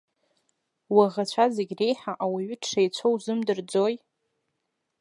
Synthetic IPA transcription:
waʁat͡ɕʷʰazeɡʲre̞jħaʔawaɥʏtʰʂajt͡ɕʷʰowzɨmdɨrd͡zoj

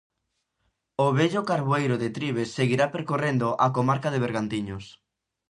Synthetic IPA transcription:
ʊβɛʎʊkaɾβoejɾʊðɪt̪ɾiβesːeɣiɾapeɾkorend̪ʊʔakomaɾkaðeβ̞eɾɣant̪iɲʊs

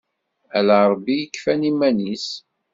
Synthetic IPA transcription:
ælæɾˤbːijəkːfænimænis

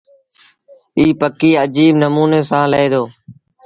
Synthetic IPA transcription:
iːpəkiːəd͡ʒiːbnəmuːneːsãːləeːd̪oː

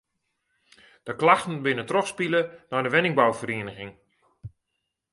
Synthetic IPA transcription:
d̥əklaxtn̩bɪnətrɔxspilənɔjdəʋɛnɪŋbawfəriːnəɣɪŋ

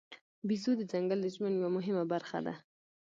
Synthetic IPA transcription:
bizud̪əd͡ʒaŋɡəld̪əʒmənjawamʊɦɪmabaɾxa̰d̪a̰

